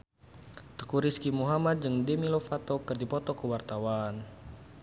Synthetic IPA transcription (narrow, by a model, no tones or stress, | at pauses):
t̪ə̥kuɾiskimuɦamat̪̚d͡ʒɨŋdɛmilofat̪ɔkɨrdipɔt̪ɔkəwart̪awan